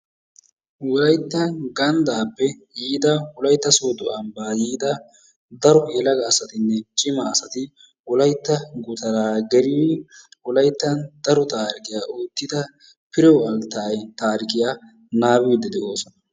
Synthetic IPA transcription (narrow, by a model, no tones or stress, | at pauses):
wɔlɐjt̪ːɐnɡɐnd̪aːpːɛ | jiːd̪ɐwɔlɐjt̪ːɐsoːd̪ɔɐmbaːjiːd̪ɐ | d̪ɐɾɔjɛlɐɡɐːsɐt̪ɪnːɛt͡ʃʼɪmɐːsɐt̪ɪ | wɔlɐjt̪ːɐɡʊt̪ɐɾaːɡɛɾɪwɪwɔlɐjt̪ːɐnd̪̥ɐɾɔt̪aːɾɪkɪjaoːt̪ːɪd̪ɐ | pɪɾɛɐlt̪aːjt̪aːɾɪkɪja | naːbɪːd̪ːɛd̪ɛʔoːsɔnɐ